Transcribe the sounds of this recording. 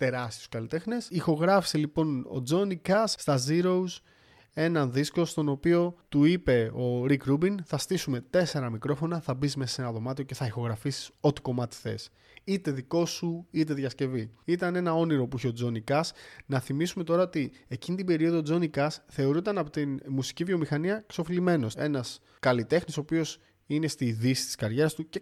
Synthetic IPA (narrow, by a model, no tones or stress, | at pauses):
t̪e̞ɾɐst̪ioskɐlit̪e̞xnesixo̞ɣɾɐfi̥se̞lipo̞no̞̰d͡zo̞nikɐsːt̪ɐziɾo̞us | e̞nɐnðisko̞st̪o̞no̞pio̞t̪uipe̞o̞ɾikɾubinθɐst̪isume̞t̪e̞se̞ɾɐmikɾo̞fo̞nɐθɐbizme̞sɐ̥se̞nɐðo̞mɐt̪io̞ce̞θɐixo̞ɣɾɐfisi̥so̞t̪i̥ko̞mɐt̪i̥θe̞̰s | it̪e̞ðiko̞suit̪̬e̞ðʝɐsce̞viit̪ɐne̞nɐo̞niɾo̞puiçeo̞d͡zo̞nikɐsnɐθimisume̞t̪o̞ɾɐo̞t̪ie̞cinit̪ibe̞ɾio̞ðod͡zo̞nikɐsθe̞o̞ɾunt̪ɐnɐpot̪inmusi̥civio̞mixɐniɐkso̞filime̞no̞se̞̰nɐs | kɐlit̪e̞xnisopio̞s | ine̞st̪iðisi̥st̪i̥skɐɾʝe̞ɾɐst̪uce